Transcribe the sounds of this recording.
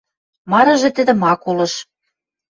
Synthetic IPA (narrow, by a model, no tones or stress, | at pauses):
mɑɾɤ̆ʒĕt̪ɘ̆d̪ɘ̆mɑkulɤ̆ʃ